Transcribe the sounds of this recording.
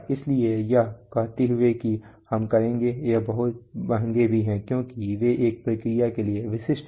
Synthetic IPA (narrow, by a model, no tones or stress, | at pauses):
ɪsliejakɐɦt̪eɦʊekihɐmkɐɾẽːŋɡejabɐɦʊt̪̚bɐɦə̃ŋɡebʱiɦɛ̃ːkjõːkiʋeʔeːk̚pɾɐkɾɪjakelieʋɪʃɪʃʈ